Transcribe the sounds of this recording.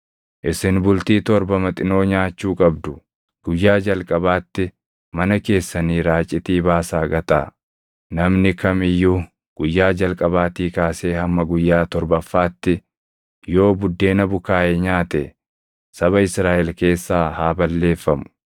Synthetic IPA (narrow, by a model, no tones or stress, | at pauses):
ʔɪsɪnbʊlt̪iːt̪ɔɾbɐmɐt̪ʼɪno̞ːɲaːt͡ʃːuːkʼɐbd̪ʊ | ɡ̥ʊjːaːd͡ʒɐlkʼɐbaːt̪ːɪ | mɐnɐke̞ːsːɐniːɾaːt͡ʃʼːɪt̪iːbaːsaːɡɐt̪a̰ | nɐmnɪkɐmɪjːʊ | ɡ̥ʊjːaːd͡ʒɐlkʼɐbaːt̪iːkaːse̞ːhɐmːɐɡʊjːaːt̪ɔɾbɐfːaːt̪ːɪ | jo̞ːbʊd̪ːe̞ːnɐbʊkaːʔɛɲaːt̪ɛ | sɐβɐɪsɾaːʔɛlke̞ːsːaːhaːbɐlːe̞ːfːɐmʊ̥